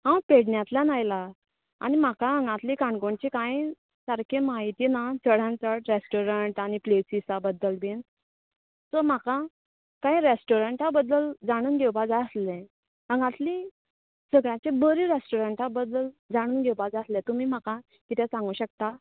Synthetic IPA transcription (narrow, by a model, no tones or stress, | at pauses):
ɦãwpeɽɳjat̪ljanajla | a̰ñim̤akaəŋɡãt̪likãɳɡoɳt͡ɕikãi | səɾkʰemaɦit̪iːnat͡səɽãnt͡səʈɾesʈoɾəɳʈaɽ̃iplesit͡sabəd̪ːəlbʱin | sɔm̤aka | kãĩɾesʈoɾəɳʈabəd̪ːəld͡zaɽ̃uːnɡʱewpad͡zaəslẽ | əŋɡãt̪li | səɡɭjãt͡ɕebəɾiːɾesʈoɾəɳʈabəd̪ːəld͡zaɽ̃uːnɡʱewpad͡zaəslɛ̃t̪um̤iːm̤aka | kit̪ʰɛ̃sãŋɡuːɕək̚t̪a